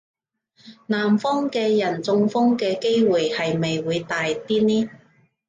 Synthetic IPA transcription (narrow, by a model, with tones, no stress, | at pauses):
naː˨˩mfɔː˥ŋkɛː˧jɐ˨˩nt͡sʊ˧ŋfɔ˥ŋkɛː˧ke˥jwuː˨jhɐ˨jme˨jwuː˨˧jt̪aː˨jt̪iː˥niː˥